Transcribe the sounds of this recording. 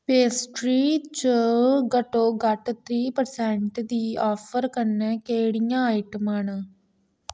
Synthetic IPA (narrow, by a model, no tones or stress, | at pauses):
peːsʈɾiːt͡ʃəɡəʈoːɡəʈt̪ʰɾiːpəɾsɛːɳʈd̪iːɔːpʰəɾkəɾnɛ̃ːkeːɽɪjãːaɪʈəman